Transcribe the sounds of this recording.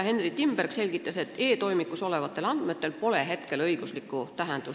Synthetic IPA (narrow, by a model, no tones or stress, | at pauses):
he̞nrit̪imb̥erkse̞lʲɡ̥it̪ˑːɑse̞t̪ːˑe̞ːt̪o̞jmikːˑuso̞le̞vɑt̪ˑːe̞lɑnd̪̥me̞t̪ːe̞lpo̞le̞ɦe̞t̪ke̞lɤjɡ̥uslikkːˑut̪æɦend̪̥u